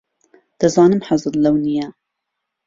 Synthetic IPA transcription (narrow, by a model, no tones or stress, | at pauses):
d̪̥ɐzɑːnɨmħazɨllɐwnijɛ